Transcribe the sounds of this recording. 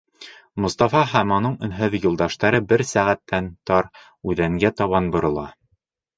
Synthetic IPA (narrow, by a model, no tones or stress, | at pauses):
mŏst̪ɑfɑɦæmɒnɤɴɵ̆nɦɵðjulˠd̪ɑʃt̪ɑɾɤbɘɾsæʁæt̪ːænt̪ɑɾ | ʉðæŋɡæt̪ɑβɑnbŏɾɤ̆lˠɑ̰